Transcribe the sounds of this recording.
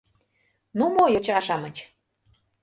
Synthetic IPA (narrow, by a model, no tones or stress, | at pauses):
numojot͡ɕɑʃɑmət͡ɕ